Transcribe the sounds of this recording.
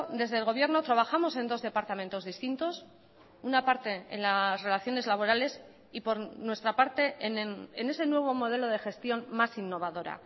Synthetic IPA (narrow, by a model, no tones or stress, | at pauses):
d̪e̞zðeːlɣ̞o̞βje̞ɾno̞t̪ɾaβ̞axamo̞se̞nd̪o̞zðe̞paɾt̪amẽ̞nt̪o̞zðist̪int̪o̞s | unapaɾt̪e̞ḛnlasre̞laθjo̞ne̞zlaβ̞o̞ɾale̞s | ipo̞ɾnwe̞st̪ɾapaɾt̪e̞nene̞se̞nwe̞β̞o̞mo̞ð̞e̞lo̞ð̞e̞xe̞st̪jo̞nmasinːo̞β̞aðo̞ɾa̰